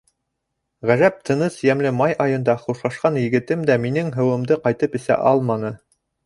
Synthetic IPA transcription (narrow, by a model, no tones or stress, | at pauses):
ʁæʒæp̚t̪ʰɤ̆nɤsjæmlɘmɑjɑjɤ̆nd̪ɑχuʃlˠɑʃqɑnjɘ̆ɡɘ̆t̪ɘmd̪æminɘŋɦɤ̆wɤ̆md̪ɤqɑjt̪ɤpɘ̆sæ̰ʔɑlˠmɑnɤ